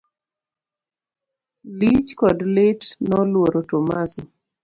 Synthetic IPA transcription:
lit͡ʃkɔdlɪtnɔlwoɾotomasi

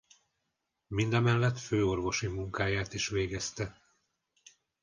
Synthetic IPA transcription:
mind̪ɛmɛlːɛt̪føːo̞rvo̞ʃimuŋkaːjaːt̪iʃʋeːɡɛst̪ɛ

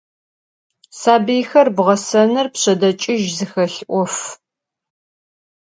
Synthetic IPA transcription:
saːbijxɐrbʁɐsɐnɨrpɕɐdɐt͡ʃʼɪʒzɨxɐɬʔʷɔf

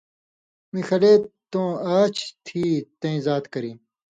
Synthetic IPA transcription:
mixɐleːt̪õːaːt͡ɕʰt̪ʰiːt̪ɐ̃ĩzaːt̪kɐɾĩː

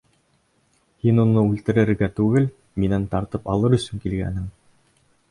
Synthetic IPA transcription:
hinunɤʉlt̪ɘ̆ɾɘ̆ɾɡæt̪ʉɡɘl | minænt̪ɑɾt̪ɤpɑlˠɤɾɵ̆sɵŋkilɡæ̰nɘŋ

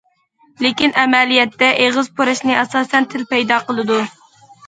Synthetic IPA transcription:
lɪkʲinʔɛmɛlijɛt̪ːɛʔeʁɨzpʰoɾɛʃnɨʔɛsɑːsɛnt̪ʰɪlpɛjd̪ɑːqəlˠɨd̪u

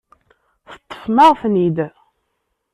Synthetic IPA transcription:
θət̪ˤːə̥fməʁfnid̪

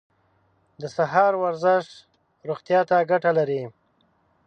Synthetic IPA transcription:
d̪əsaɦɑɾwaɾzɪʂ | ɾuɣt̪jɑt̪aɡaʈalaɾi

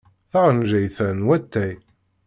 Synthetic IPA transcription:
θaʁənʒæjθænwæt̪ːæj

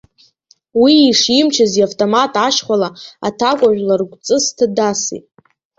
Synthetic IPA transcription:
wiːʂimt͡ʃʰaziavtʼomatʼaʃχʷalaa̰tʰakʷʼaʒʷᶣlarɡʷt͡sʼɨstʰadasḭtʼ

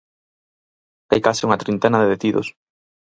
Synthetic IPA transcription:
t̪ajkasɪuŋɐt̪ɾint̪ɛnɐðeðet̪iðo̰s

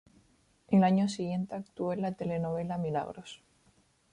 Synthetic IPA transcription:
elaɲosiɣje̞nt̪eak̚t̪uoelat̪elenoβe̞lamila̰ɣ̞ɾos

